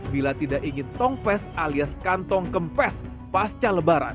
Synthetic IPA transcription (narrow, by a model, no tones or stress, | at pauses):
bilat̪idaʔiŋɪnt̪ɔŋpɛsaliaskant̪ɔŋkəmpɛs | past͡ʃaləbaɾa̰n